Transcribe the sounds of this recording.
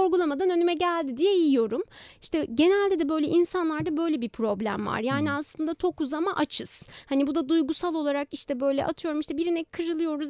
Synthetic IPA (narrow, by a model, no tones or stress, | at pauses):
oɾɡulˠamad̪anø̞nymɛɟælʲd̪id̪ijɛjiijo̞ɾumiʃt̪ɛɟe̞nælʲd̪ed̪ɛbø̞jlʲɛʔinsanlˠaɾd̪abø̞jlʲɛbipʰɾo̞blʲæ̰mva̰ɾjaːniaslˠɯnd̪at͡ʃ̪ʰo̞kuzamaʔat͡ʃʰɯz̥hanibud̪ad̪ujɡusalˠo̞lˠaɾakiʃt̪ʰɛbø̞jlʲɛ̰ʔat̪ʰɯjo̞ɾumiʃt̪ɛbiɾinɛkʰːɯɾɯlˠɯjo̞ɾuz